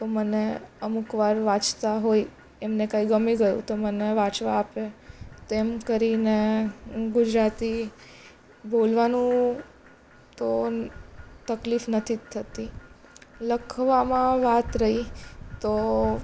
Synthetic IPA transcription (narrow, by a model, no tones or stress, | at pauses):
t̪oməneəmukʋaɾʋãt͡ʃt̪aɦoi | emnekãiɡəmiɡəjṵ̃t̪oməneʋãt͡ʃʋaːpet̪oemkəɾine | ɡʊd͡ʒɾat̪i | bolʋanũ | t̪o | t̪əklifnət̪ʰit̪ʰət̪i | ləkʰʋamãʋat̪ɾəɦit̪o